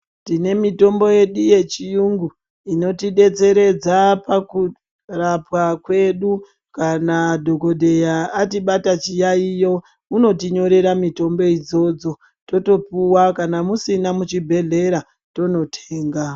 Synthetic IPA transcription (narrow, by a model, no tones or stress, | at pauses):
tine̞mito̞mbo̞je̞ɗuje̞t͡ʃijuŋɡu | ino̞tiɗe̞t͡se̞ɾe̞d͡zapaku | rapwakwe̞ɗu | kanadʱo̞ko̞dʱe̞jaːtiɓatat͡ʃijaijo̞ | uno̞tiɲo̞ɾe̞ɾamito̞mbo̞id͡zo̞d͡zo̞ | to̞to̞puwakanamusinamut͡ʃibʱe̞ɮe̞ɾa | to̞no̞tʰeːŋɡa